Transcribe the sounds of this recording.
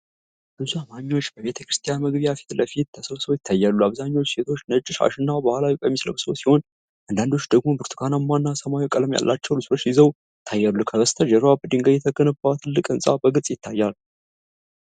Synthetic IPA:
bɨzuamamiwo̞t͡ʃːbəβe̞t̪ʰəkɾɨst̪ʰijanməɡbijafi̥t̪ləfit̪t̪ʰəsəβsəβjɪt̪ʰːajːalːuaβzaɲːawot͡ʃːse̞t̪ʰo̞t͡ʃːnət͡ʃʼːɪʃa̰ʃɨnːabəhalawikʼəmːislə̰βsəwsiho̞n | ʔand̪and̪o̞t͡ʃːd̪əɡmo̞bɨɾt̪ʰɨkʰanamːanːasəmaikʼələmja̰lːʔat͡ʃːəwlɨso̞t͡ʃːjɪzəw | t̪ʰːajːalːukʰəβəst̪ʰəd͡ʒɛɾwabɨd̪iŋɡəjɛt̪ʰəɡənəbːat̪ʰɨlːɨkʼɨnsʼa̰bəɡɨt͡sʼjɪt̪ʰːajːal

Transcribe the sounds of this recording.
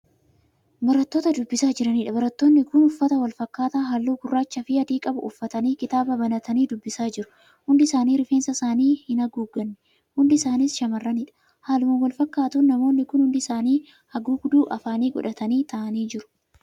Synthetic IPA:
bɐɾɐt̪ːo̞ːt̪ɐd̪ʊbːɪsaːd͡ʒɪɾɐniːᶑɐbɐɾɐt̪ːo̞ːnːɪkʊnʊfːɐt̪ɐwɐlfɐkːaːt̪aːɦɐlːuːɡʊrːaːt͡ʃːɐfɪɐd̪iːkʼɐbʊ̰ʊfːɐt̪ɐniːkɪt̪aːbɐbɐnɐt̪ɐniːd̪ʊbːɪsaːd͡ʒɪɾʊ̥ | hʊnd̪ɪsaːniːɾɪfe̞ːnsɐsaːniːhɪnɐɡuːɡɐnːɛ | hʊnd̪ɪsaːnɪsʃɐmɐrːɐnɪːᶑɐ̥ | haːlʊmɐwɐlfɐkːaːt̪unnɐmo̞ːnːɪkʊnhʊnd̪ɪsaːniː | hɐɡuːɡʊd̪uːʔɐfaːniːɡɔ̰ᶑɐt̪ɐniːt̪ʰɐʔɐniːd͡ʒɪɾʊ̥

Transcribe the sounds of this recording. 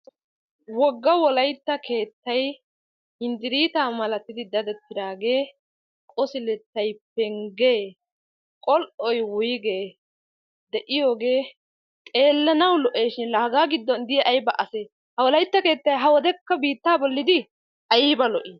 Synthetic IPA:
wɔɡːɐwɔlɐjt̪ːɐkʰe̞ːt̪ːɐj | hɪnd̪ɪɾiːt̪aːmɐlɐt̪ːɪd̪ɪd̪ɐd̪ɛt̪ːɪd̪aːɡe̞ː | kʼɔsɪlɛt̪ːɐjpɛŋɡeː | kʼɔlʔɔjwʊjɡeː | d̪ɛʔɪjo̞ːɡe̞ː | t̪ʼe̞ːlːɐnɐwlɔʔeːʃɪnlɐhɡaːɡɪd̪ːɔnd̪ɪɛʔɐjbɐʔɐseː | hɐwɔlɐjt̪ːɐke̞ːt̪ːɐjɦɐwɔd̪ɛkːɐbiːt̪ːaːbɔlːɪd̪ɪ | ʔɐjɪbɐlɔʔi

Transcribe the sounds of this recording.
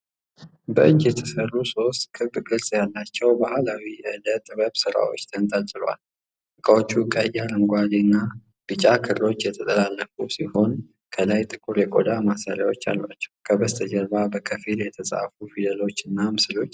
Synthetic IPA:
bəʔɨɲd͡ʒjɛt̪ʰəsərːuso̞st̪kʰɨbɨɡɨɾsʼjalːat͡ʃːɛwbahlawiɛlət̪ʼβəβsɨɾa̰wo̞̰t͡ʃːt̪ʰənt̪ʼat͡ʃʼɪloa̰l | ɨkʼəwot͡ʃːukʼəjːaɾɨŋɡʷalinːa | b̥ɨt͡ʃʼakʰɨɾo̞t͡ʃːjɛt̪ʰət̪ʼəlalːəkʼusiho̞n | kʰəlajt̪ʼɨkʼuɾjɛkʼo̰d̪amasaɾjawo̞t͡ʃːa̰lːa̰t͡ʃːɛ̥wkʰəbəst̪ʰəd͡ʒəɾβabəkʼʰəfiljɛt̪ʰəsʼa̰fufid̪əlo̞t͡ʃːɨnːamɨsɨlo̞t͡ʃː

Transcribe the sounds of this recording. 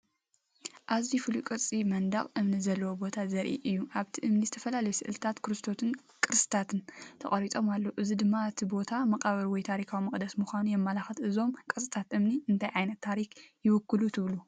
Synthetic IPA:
ʔazifɨlukʼɨɾt͡sʼimɐnd̪ɐχʼʔɨmnizɐlːɐwobo̞t̪ʰazɐɾʔḭʔɨjːuʔaβt̪ʰiʔɨmnizɨt̪ʰɐfɐlalɐjusɨʔɨlt̪ʰat̪kʰɨɾɨst̪ʰo̞t̪ʰɨn | kʼɨɾɨsʼɨ̥t̪ʰat̪ʰɨnt̪ʰɐkʼɐɾit̪ʼo̞malːoʔɨzid̪ɨmːaɨt̪ʰibo̞t̪ʰamɐqʼaβɐɾwɔjt̪ʰaɾikʰawimɐχʼd̪ɐsmuxʷanujɛmːalaxɐt̪ʔɨzo̞mkʼɨsʼɨt̪ʰat̪ɨmniɨnt̪ʰajʕajnɐt̪ʰːaɾikjɪwʊkʰːɨlut̪ʰɨβlu

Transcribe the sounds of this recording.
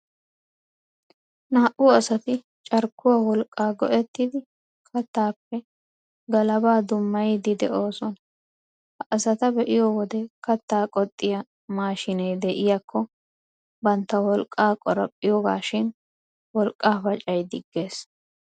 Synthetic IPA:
naːʔʊɐsɐt̪ɪ | t͡ʃʼɐɾkːʊwaːwɔlkʼːaːɡɔ̰ʔɛt̪ːɪd̪ɪ | kʰɐt̪ːaːpːɛ | ɡɐlɐbaːd̪ʊmːɐjd̪ɪd̪ɛʔo̞ːsɔnɐ | hɐʔɐsɐt̪ɐbɛʔɪjoːwɔd̪ɛkɐt̪ːaːkʼɔt̪ʼːɪjɐ | maːʃɪnejd̪ɛʔɪjakʰːɔ | bɐnt̪ːɐwɔlkʼːaːkʼɔɾɐpʼːɪjoːɡa̰ːʃɪn | wɔlkʼːaːfɐt͡ʃʼɐjd̪ɪɡːe̞ːs

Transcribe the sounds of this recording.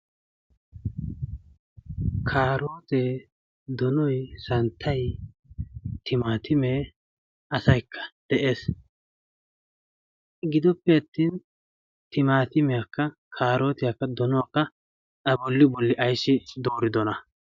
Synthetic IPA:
kʰaːɾo̞ːt̪eː | d̪ɔnɔjsɐnt̪ʰːɐj | t̪ɪmaːt̪ʰɪmeː | ɐsɐjkʰːɐ̥d̪̥ɛʔe̞ːs | ɡɪd̪ɔpːɛɐt̪ːiːn | t̪ɪmaːt̪ɪmɛjakːɐ | kʰaːɾo̞ːt̪ɪjɐkːɐd̪ɔnɔwakːɐ | ɐbɔlːɪbɔlːɪʔɐjsːɪd̪oːɾɪd̪ɔnɐ

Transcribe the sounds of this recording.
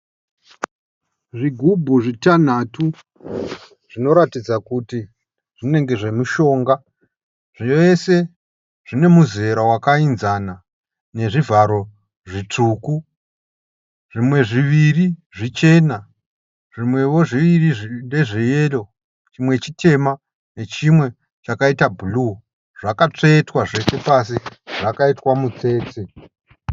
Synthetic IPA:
ʐiɡʱubʱuʐitan̤atu | ʐ̥ino̞ɾatid͡zakuti | ʐ̥ine̞ŋɡe̞ʐe̞muʃo̞ːŋɡa | ʐ̥ijoese̞ | ʐ̥ine̞muze̞ɾawakainzana | ne̞ʐivaɾo̞ | ʐit͡ʂuːku | ʐimwe̞ʐiʋiriʐit͡ʃe̞ːna | ʐimwe̞wo̞ʐiʋiriʐinde̞ʐijelo̞ | t͡ʃimwe̞t͡ʃitʰe̞ma | ne̞t͡ʃimwe̞ | t͡ʃakaitabʱulu | ʐ̥akat͡ʂetwaʐe̞se̞pas̬iʐ̥akaitwamut͡se̞ːte

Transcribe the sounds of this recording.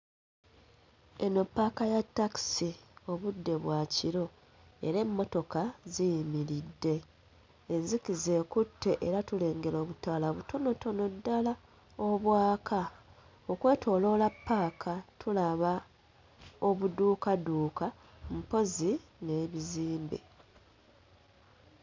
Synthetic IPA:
eno̞pːakajatːaki̥sio̞βudːe̞βwaciɾo̞ | e̞̰ɾe̞mːo̞to̞kazijimiɾidːe̞ː | nzikize̞ːkutʰːe̞ʔeɾatule̞ːŋɡe̞lo̞ːβutalaβuto̞no̞to̞no̞dːala | oβwaːkʰa | o̞kwe̞ːtʰo̞ːlo̞lapːaːkʰatʰulaβa | o̞βuduːkaduːka | m̩po̞zine̞ːβiziːmbḛ

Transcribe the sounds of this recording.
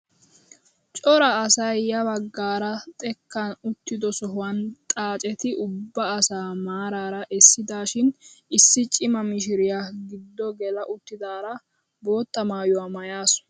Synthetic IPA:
t͡ʃʼɔɾɐːsɐjːɐbɐɡːaːɾɐt̪ʼɛkːɐnʊt̪ːɪd̪ɔsɔɦʊwɐnt̪ʼaːt͡ʃʼɛt̪ɪʔʊbːɐːsaːmaːɾaːɾɐʔɛsːɪd̪aːʃɪnɪsːɪt͡ʃʼɪmɐmɪʃ̬ɪɾɪjaɡɪd̪ːɔɡɛlɐʔʊt̪ːɪd̪aːɾɐ | bo̞ːt̪ːɐmaːjʊwaːmɐjaːsɔ̥

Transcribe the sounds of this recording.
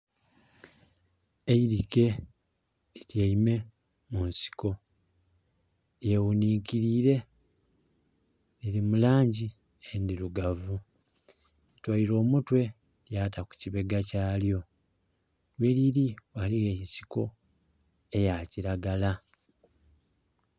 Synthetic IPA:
eiɾike̞ | litjaime̞ | munsi̥ko̞ | jewuniːkiɾiːɾe̞ | lilimulaːɲɟi | endiluɡavu | itwaiɾo̞ːmutwe̞ | ljaːtaku̥ciβe̞ɡacaːljo̞ | lweliɾiwaliɣeisi̥ko̞̰ | e̞jaciɾaɡala

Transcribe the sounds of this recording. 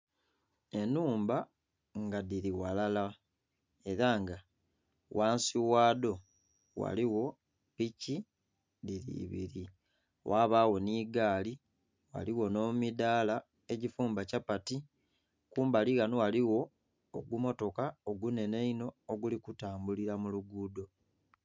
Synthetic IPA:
e̞nuːmba | ŋɡadiɾiwalala | e̞ɾaŋɡa | waːnsiwaːdo̞ | wa̰liwo̞ | pici | diɾḭβiɾi | wʔaβawo̞niːɡaːli | wa̰liwo̞no̞midaːla | e̞ɟifuːmbacapati | kuːmbaliɣanowaliwo̞ː | ɡumo̞to̞kaoɡune̞neino̞ːɡulikutaːmbuliɾamuluɡuːdo̞

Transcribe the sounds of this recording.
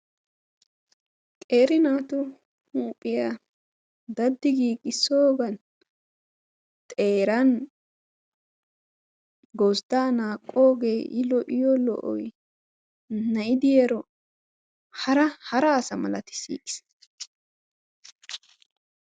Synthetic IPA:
k̪ʼe̞ːɾɪnaːt̪ʊ | huːpʼːɪja | d̪ɐd̪ːɪɡiːkʼːɪsːoːɡɐn | t̪ʼeːɾɐn | ɡɔsd̪aːnaːkʼːoːɡeːʔɪlɔʔɪjɔlɔ̰ʔɔ̰j | nɐɪd̪ɪjɛɾɔ | hɐɾɐhɐɾɐːsɐmɐ̰lɐt̪ɪ̥sḭːkʼɪ̥s

